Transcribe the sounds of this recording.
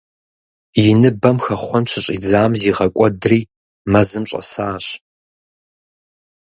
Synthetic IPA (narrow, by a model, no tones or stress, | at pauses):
jɪnɨbɐmxɐχʷɔnt͡ʃʰɪɕʼḭːd͡zaːmziːʁɐkʷʼɔdriː | mɐzɨmɕʼɐ̰saːɕ